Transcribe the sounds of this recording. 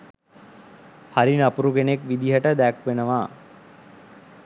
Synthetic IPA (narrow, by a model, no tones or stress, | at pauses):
haɾinapuɾukenekʋid̪iɦəʈəd̪ækʋenəʋaː